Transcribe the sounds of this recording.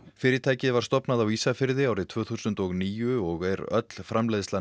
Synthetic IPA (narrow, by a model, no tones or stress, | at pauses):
fɪːɾɪt̪ʰaːjcɪðvaɾ̥st̪ɔpnaðawiːsafɪɾðɪawɾɪt̪ʰv̥œːθusʏnt̪ɔɣniːjʏɔɣɛɾœ̰t̪l̥fɾamlejðsa